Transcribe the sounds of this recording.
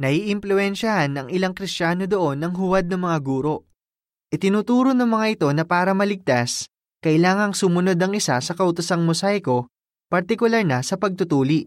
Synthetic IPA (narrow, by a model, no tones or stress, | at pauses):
nɐiʔɪmplʊɛnʃɐhanːɐŋɪlaŋkɾɪst͡ʃaːno̞d̪o̞ʔo̞nːɐŋɦʊwad̪̚nɐŋmɐŋaɡuːɾo̞ʔ | ʔɪt̪ɪnuːt̪uːɾo̞nɐŋmɐŋaʔɪt̪o̞nɐpaːɾɐmɐlɪɡ̚t̪as | kɐʔɪlaːŋɐŋsʊmʊno̞d̪ɐŋɪsasɐkɐʔʊt̪ʊsɐŋmosajko̞ | pɐɾt̪ɪkʊlɐɾnɐsɐpɐɡ̚t̪ʊt̪uːliʔ